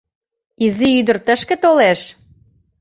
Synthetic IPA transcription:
iziyd̪ə̆rt̪əʃkĕt̪oleʃ

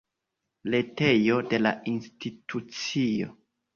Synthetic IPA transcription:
le̞te̞jo̞de̞la̰institʰut͡sio̞̰

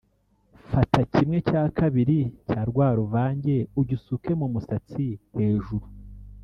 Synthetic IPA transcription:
fatacimŋe̞caːkaβiɾicaːɾɡwaːɾuvaːɲɟe̞uɟusuke̞mumusat͡sihe̞ːʒuɾu

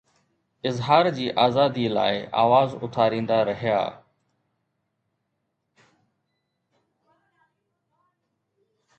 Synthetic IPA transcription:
ɪzɦaːɾd͡ʑiːʔaːzaːd̪iːla̰ːɪʔa̰ːʋaːzʊ̰t̪ʰaːɾĩːnd̪aːɾəɦɪja̰ː

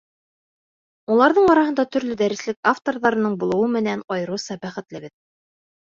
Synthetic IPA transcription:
ulˠɑɾðɤɴɒɾɑhɤnd̪ɑt̪ɵ̆ɾlɵd̪æɾɘ̆slɘkaft̪orðɑɾɤ̆nɤɴbulˠɤ̆wɤmɘ̆nænɑjɤ̆ɾɤsɑbæχɘ̆t̪lɘ̆bɘð

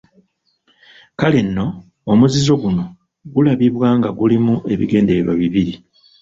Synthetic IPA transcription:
kale̞nːo̞ː | muzizo̞ɡuno̞ | ɡulaβiβwaːŋɡaɡulimuʔe̞βḭɡe̞ːndeɾeɾwaβiβiɾi

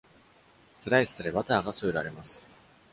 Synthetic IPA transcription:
sɨɾaisɨ̥sɨɾeβat̪aːɡasoːɾaɾe̞masɨ̥

